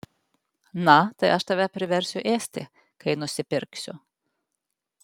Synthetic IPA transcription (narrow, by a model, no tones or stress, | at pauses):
nɐt̪ɐɪʔɐʃt̪ɐʋʲɛpʲɾʲɪʋʲɛɾʲsʲʊʔeːsʲt̪ʲɪ̰ | kɐɪnʊsʲɪpʲɪɾʲksʲʊ̰